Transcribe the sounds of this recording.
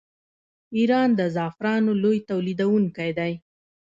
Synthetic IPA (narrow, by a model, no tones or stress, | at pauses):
iɾɑnd̪əzɑfɾɑnolojt̪awlid̪awuŋkajd̪aj